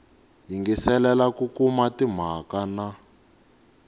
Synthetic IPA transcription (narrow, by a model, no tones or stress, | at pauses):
ɦiŋɡɛsɛlɛlakukumatim̤akana